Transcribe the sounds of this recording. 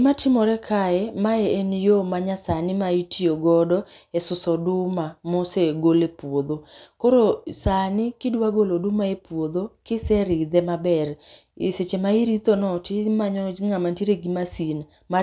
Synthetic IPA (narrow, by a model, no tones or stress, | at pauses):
matɪmɔɾɛkʰaɛmaeenjomaɲasanɪmaitijoɡɔdɔɛsʊsɔdʊmamoseɡolepwod̪okoɾosanɪkɪdwaɡolodʊmaepwod̪okɪsɛɾɪd̪ɛmabɛriset͡ʃemaiɾit̪onɔtimaɲɔŋamantiɾeɡimasin | ma